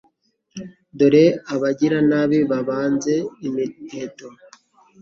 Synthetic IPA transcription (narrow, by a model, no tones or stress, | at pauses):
doɾeaβaɟiɾanaβiβaβaːnze̞imiheto